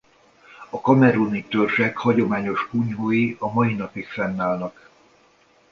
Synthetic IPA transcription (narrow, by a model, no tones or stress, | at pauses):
ɒkɒmɛɾunit̪ørʃɛkhɒɟo̞maːɲo̞ʃkuɲɦoːjiɒmɒjin̪ɒpikfɛnːaːlnɒk